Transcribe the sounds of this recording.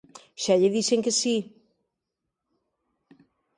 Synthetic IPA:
ʃaʎeðiseŋkesi

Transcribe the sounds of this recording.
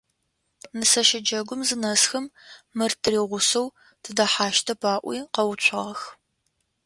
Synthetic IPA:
nɨsɐʃɪd͡ʒɐɡʷʊmzɨnɐsxɐmːɨrtʰɨriːʁʷʊsɐw | tʰɨdɐħaːʃtʰɐpʰaːʔʷḭːqɐwʊt͡ɕʷʰʁɐx

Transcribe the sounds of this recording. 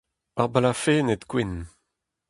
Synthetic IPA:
aʁbalafeːnet̪kwin

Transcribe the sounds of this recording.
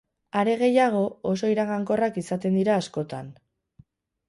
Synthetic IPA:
aɾe̞ɣe̞jaɣ̞o̞oso̞iɾaɣaŋko̞rakisat̪e̞nd̪iɾaːsko̞t̪an

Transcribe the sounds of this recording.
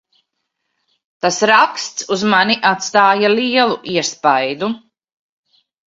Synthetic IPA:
t̪asɾakst̪suzmanʲiʔat̪st̪aːjaliɛlˠuʔiɛspajd̪u

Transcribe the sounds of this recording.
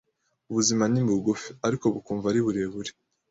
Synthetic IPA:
uβuzimanimuɡufi̥aɾiko̞βukuːɱvaɾiβuɾeβuɾi̥

